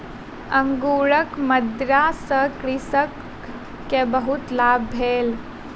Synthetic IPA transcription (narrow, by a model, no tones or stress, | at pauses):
əŋɡuːɾəkməd̪ɾasəkɾɪsəkː | ebəɦut̪laːbːʱeːl